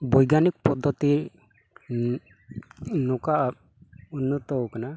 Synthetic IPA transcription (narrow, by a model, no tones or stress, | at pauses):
bɔjɡanik̚pɔd̪ʱːɔt̪i | nɔka | unːɔt̪ɔkana